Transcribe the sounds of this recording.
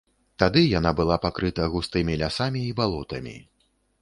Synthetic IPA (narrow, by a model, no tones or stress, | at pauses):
t̪ad̪ɨjanabɨlˠapakɾɨt̪ɐɣust̪ɨmʲilʲasamʲiːbalˠɔt̪ɐmʲḭ